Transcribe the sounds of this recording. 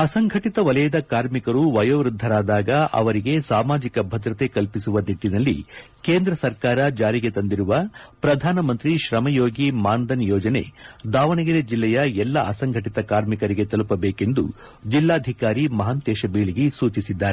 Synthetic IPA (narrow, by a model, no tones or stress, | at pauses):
ɐsɐŋɡʱɐʈit̪ɐʋɐlɐjɐd̪ɐkaːɾmikɐɾuʋɐjɐʋɾud̪ʱːɐɾaːd̪aːɡɐʔɐ̰ʋɐɾiɡe̞saːmaːd͡ʒikɐbʱɐd̪ɾɐt̪e̞kɐlpisuʋɐd̪iʈːinɐlːḭ | keːnd̪ɾɐsɐɾkaːɾɐd͡ʒaːɾiɡe̞t̪ɐnd̪iɾuʋɐpɾɐd̪ʱaːnɐmɐnt̪ɾiʃɾɐmɐjoːɡimaːnd̪ɐnjɔːd͡ʒɐne̞̰d̪aːʋɐɳɐɡɐɾed͡ʒilːɛjɐɛlːɐʔɐsɐŋɡʱɐʈit̪ɐkaːɾmikɐɾiɡe̞t̪ɐlupɐbeːke̞nd̪ṵ | d͡ʒilːaːd̪ʱikaːɾimɐɦɐnt̪eːʃɐbeːɭiɡisuːt͡ʃisid̪ːaːɾe